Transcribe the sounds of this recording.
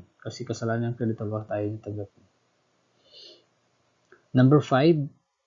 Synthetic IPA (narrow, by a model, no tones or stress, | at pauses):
kasikəsalaɦanjaŋkɾedit̪ɔlaht̪aiɲat̪əɡat̪̚ɲa | nãmbərfajv